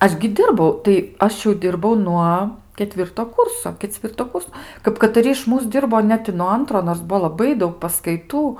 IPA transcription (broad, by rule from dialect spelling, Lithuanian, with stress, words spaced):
ˈɐʃ ɡʲɪ ˈdʲɪrbɐʊ tɐɪ ˈɐʃ jɛʊ ˈdʲɪrbɐʊ ˈnuɔ kʲɛˈtʲʋʲɪrtoː ˈkuːrsoː kʲɛˈt͡sʲʋʲɪrtoː ˈkʊrs kɐp kɐtɐˈrʲɪ ɪʃ ˈmuːs ˈdʲɪrboː ˈnʲɛt ɪ nuɔ ˈɐntroː noːrs ˈbʊʋoː lˠɐˈbɐɪ ˈdɐʊk pɐskɐɪˈtuː